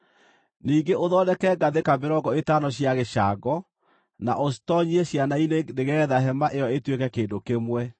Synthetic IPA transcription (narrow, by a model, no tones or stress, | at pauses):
niːŋɡeʔoðɔnɛkɛɡaðekameɾɔɡɔetanɔɕjaɣeʃaːɡɔ | na̰ʔostɔɲieɕjanaineneɣɛːðaɦɛmaʔejɔetwekɛkeːndokemwɛ